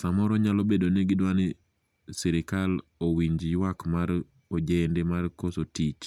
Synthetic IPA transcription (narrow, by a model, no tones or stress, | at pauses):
samɔɾɔɲalobedonɛɡɪdwanɪ | sɛɾɪkalowiɲd͡ʒiwakmaɾ | od͡ʒendemarkosotit͡ʃ